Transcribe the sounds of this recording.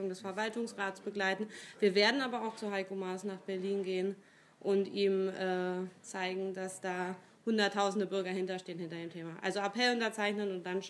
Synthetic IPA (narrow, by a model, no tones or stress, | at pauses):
ʊŋdɛsfɛɐvaltʊŋsʁaːtsb̥əɡlaɪtn̩v̥iːɐveːɐdn̩aːbɐaʊxt͡suɦaɪkomaːsnaːχb̥ɛɐliːnɡeːən | ʔʊntiːmʔɛːt͡saɪɡŋ̩dasd̥aː | hʊndɐtʰːaʊzn̩dəbʏɐɡɐhɪntɐʃteːənhɪntɐdeːmtʰeːmaʔa̰lzoapʰɛlʊntɐt͡saɪçnənʊnt̚d̥an